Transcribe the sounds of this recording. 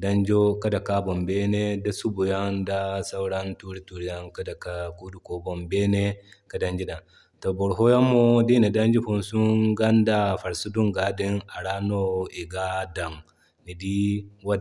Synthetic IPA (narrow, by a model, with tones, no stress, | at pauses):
da˦nd͡ʒo˦ka˦da˨ka˦bɔ˨mbe˦ne˦da˦su˦bu˨ja˦nda˦sa˦wɾa˦ntu˦ɾi˦tu˨ɾi˨˦ja˦ŋka˦da˨ka˨ɡu˦du˨˦ko˨bɔ˨mbe˦ne˦ka˨da˦nd͡ʒi˦da˨n | to˨bɔ˨ɾɦo˦ja˦mo˦di˦na˨da˦nd͡ʒi˦ɸu˦nsu˦ɡa˦nda˨fa˨ɾsu˦du˦ŋɡa˨di˦na˨ɾaː˦no˦i˨ɡa˦da˨ŋː | i˨di˦wa˦